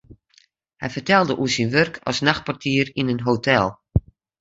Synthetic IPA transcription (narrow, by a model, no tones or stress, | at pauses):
hɛjfərtɛlˠdəʔuəsinʋørkʰɔ̰snaxt̚pɔrtʰiəɾinənɦotʰɛlˠ